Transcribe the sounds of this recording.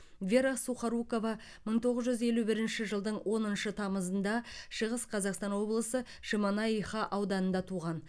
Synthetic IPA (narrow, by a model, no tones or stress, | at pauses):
vʲe̞ɾasuχɑɾuko̞vɑ | məɴt̪ʰo̞ʁəzʒʏze̞lubɪɾɪnʃɪʒəlˠd̪əɴwʔo̞nənʃət̪ʰɑməzənd̪ɑʃəʁəsqʰɑzɑqst̪ɑnwo̞blˠəsə | ʃimɑnɑijχɑʔɑwd̪ɑnənd̪ɑt̪ʰuʁɑn